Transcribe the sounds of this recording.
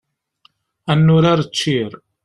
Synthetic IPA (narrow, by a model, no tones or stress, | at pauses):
ænːʊɾaɾət͡sːiɾ